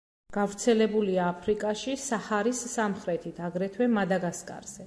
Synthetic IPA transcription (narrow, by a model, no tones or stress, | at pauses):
ɡ̥avɾt̪sʰɛlɛbuliaːpʰɾikʼaʃisahaɾisːamχɾɛt̪ʰit̪ʰaɡɾɛt̪ʰwɛmad̪aɡaskʼa̰ɾz̥ɛ